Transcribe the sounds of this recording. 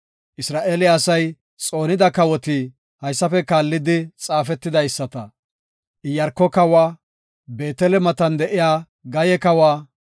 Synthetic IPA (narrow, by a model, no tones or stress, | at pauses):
ʔɪsɾaːʔeːlɪɐsɐj | t͡sʼo̞ːnɪd̪ɐkɐwɔt̪i | hɐjsːɐfɛkaːlːɪd̪ɪt͡sʼaːfɛt̪ːɪd̪ɐjsːɐt̪ɐ | ʔɪjɐɾkːɔkɐwaː | be̞ːt̪ɛlɛmɐt̪ɐnd̪ɛʔɪjaː | ɡɐjɛkɐwaː